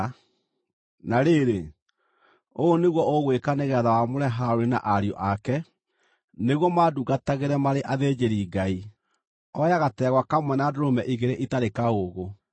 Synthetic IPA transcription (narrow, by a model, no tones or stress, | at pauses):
naɾeːɾe | oneɣwɔʔoɣwekaneɣɛːðawamoɾɛɦaoɾena̰ʔaɾiɔ̰ʔakɛ | neɣwɔmaduɡataɣeɾɛmaɾeʔaðeːd͡ʒeɾiːɡai | ɔjaɣatɛɣwakamwɛnadoɾomɛʔiɣeɾeʔitaɾekaoɣo